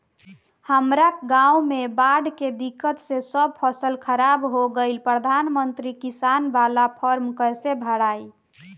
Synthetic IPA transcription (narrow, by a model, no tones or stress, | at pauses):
həmɾakɡãumebaɖked̪ikət̪sẽsəb̚pʰəsəlkʰəɾabɦoɡəɪlpɾəd̪ʱanmənt̪ɾikisanbalapʰəɾmkəɾsebʱəɽai